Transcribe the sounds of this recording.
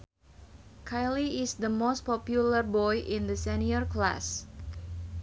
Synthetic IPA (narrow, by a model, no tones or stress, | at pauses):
kʰajliɪsd̪əmost̚pɔpjulərbɔjʔɪ̃nd̪əsɛniərkla̰s